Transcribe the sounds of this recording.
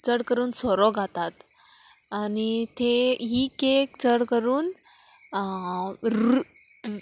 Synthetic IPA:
t͡səɽkəɾuːnsɔɾɔɡʱat̪at̪ | anit̪ʰeɦikek̚t͡səɽkəɾuːn | ɾu

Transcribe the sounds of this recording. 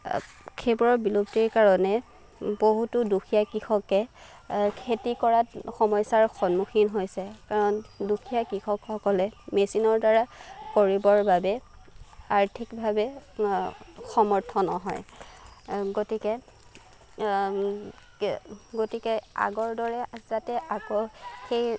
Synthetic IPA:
kʰebɹɔɹbiluptiɹkaɹɔnɛ | boɦutudukʰijakɹixɔkɛ | kʰetikɔɹatxɔmɔjsaɹxɔnːuxinɦojsɛkaɹɔndukʰijakɹixɔkxɔkɔlɛmesinɔɹdaɹakoɹibɔɹbabɛ | aɹtʰikbʱabɛ | xɔmɔɹtʰɔnɔɦɔ̰j | ɡotikɛ | ɡotikɛa̰ɡɔɹdɔɹɛzatɛʔakoxej

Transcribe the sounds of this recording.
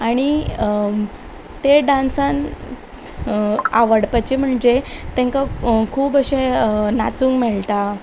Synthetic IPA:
aɽ̃i | t̪eɖãnsãn | a̰ʋəɽpat͡ɕim̤əɳd͡ʑet̪ɛ̃ŋkakʰuːbəɕẽna̰t͡sũːŋɡmɛɭt̪a

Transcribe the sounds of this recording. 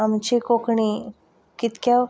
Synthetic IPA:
amt͡ɕikokɳi | kit̪kja

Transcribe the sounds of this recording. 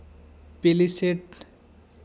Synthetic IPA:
peliseʈ

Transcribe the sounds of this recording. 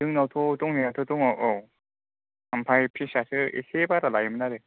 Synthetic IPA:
dɯŋnawtʰɔtɔŋniatʰotuŋɔʔo | ampʰajpʰisasɯḛsebaɾalajimɯnaɾe

